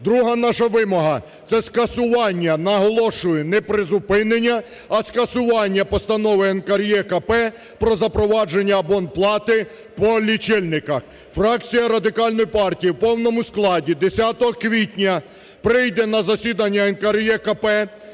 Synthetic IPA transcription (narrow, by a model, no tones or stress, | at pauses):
d̪ɾuɦɐnɑʃɐʋɪmɔɦɐ | t̪sɛskɐsʊʋɑnʲːɐnɐɦɔlˠɔʃʊjɛnɛpɾɪzʊpɪnenʲːɐː | skɐsʊʋɑnʲːɐpɔst̪ɐnɔʋɪɛnkɐɾjɛkɐpɛ | pɾɔzɐpɾɔʋɑd͡ʒenʲːɐːbɔnplˠɑt̪ɪ | pɔlʲit͡ʃɪlʲnɪkɐx | fɾɑkt͡sʲijɐɾɐd̪ɪkɑlʲnɔjipɑrtʲijiwpɔwnɔmʊsklˠɑdʲid̪esʲat̪ɔɦɔkʋʲitʲnʲɐ | pɾɪjd̪ɛnɐzɐsʲid̪ɐnʲːɐɛnkɐɾjɛkɐpɛ